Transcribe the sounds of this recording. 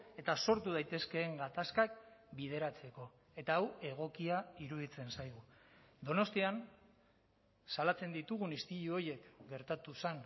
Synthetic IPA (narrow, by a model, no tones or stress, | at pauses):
e̞t̪aso̞ɾt̪uð̞ajt̪e̞ske̞ːŋɡat̪askakbið̞e̞ɾat͡se̞ko̞ | e̞t̪aːwe̞ɣ̞o̞kiaiɾuðit͡se̞nsajɣ̞ud̪o̞no̞st̪ian | salat͡se̞nd̪it̪uɣ̞unist̪iʎuo̞je̞kɡe̞ɾt̪at̪usen